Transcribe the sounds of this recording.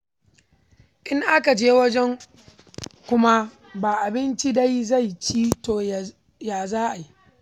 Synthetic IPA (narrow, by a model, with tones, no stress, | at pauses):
ʔɪ˦ŋʔa˦ka˨d͡ʒeː˦wɐ˦d͡ʒɛ˦ŋ | kʷʊ˦ma˦ | baː˨ʔa˨bɪ˦nt͡ʃi˦da˦jza˦˨jt͡ʃiː˦toː˨ | jaː˨zaː˦ʔa˨ji˦